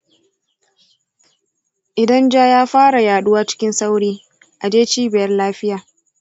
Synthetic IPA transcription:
ʔɪ˨dɐ˦nd͡ʒaː˦jaː˦ɸaː˦ɽa˨jaː˨ɗʊ˦waː˦t͡ʃɪ̥˦kʲɪ˦nsa˦wɽiː˦ | ʔa˨d͡ʒeː˦t͡ʃiː˦bɪ˨jɐ˦rlaː˦ɸɪ˦jaː˨

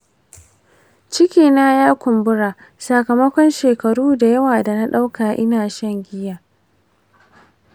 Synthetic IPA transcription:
t͡ʃɪ˦kʲiː˨na˦jaː˦kʷʊ˨mbʊ˦ɽaː˨ | sa˨kɐ˨mɐ˦kʷɔ˦nʃeː˨kɐ˨ɽuː˦da˨jɐ˦waː˨da˨na˦ɗa˦wka˨ʔɪ˦naː˨ʃɐ˦˨ŋɡʲɪ˦jaː˨

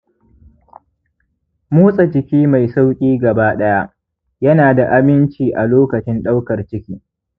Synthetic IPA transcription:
muː˦sʼa˨d͡ʒɪ˨kʲiː˦ma˨jsa˦wkʲʼiː˦ɡɐ˨baː˦ɗɐ˦ja˦ʔ | jɐ˦naː˨da˨ʔa˦mɪ˦nt͡ʃiː˨ʔa˨loː˦kɐ˨t͡ʃɪ˦nɗa˦wkɐ˨rt͡ʃɪ˦kʲiː˦

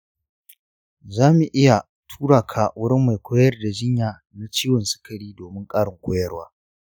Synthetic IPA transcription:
zaː˦mu˨ʔɪ˦ja˨ | tʰu̥ː˦ɽaː˨kʰaː˨wʊ˦ɽɪ˦mːa˨jkʷoː˦jɐ˦rda˨d͡ʒɪ˦ɲjaː˨ | na˦t͡ʃiː˦wɔ˨nsɪ̥˦kɐ˨ɽiː˦doː˨mɪ˦ŋkʼaː˦ɽɪ˨ŋkʷoː˦jɐ˦rwaː˦

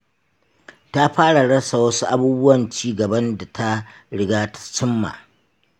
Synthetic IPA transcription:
ta˦ɸaː˦ɽa˨ɽɐ˦sa˨wɐ˦su˦ʔa˦buː˦bʊ˦wɐ˨nt͡ʃiː˦ɡɐ˨bɐ˦nda˨tʰa˦ | ɽɪ˨ɡaː˦tḁ˨t͡ʃɪ˦mːa̰˨

